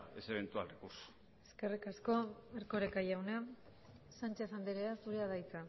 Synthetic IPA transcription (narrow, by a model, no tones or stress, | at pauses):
eseβent̪ualrikus | e̞ske̞rikasko̞eɾko̞ɾekajawna | sant͡ʃe̞θand̪eɾeasuɾeaðajt͡sa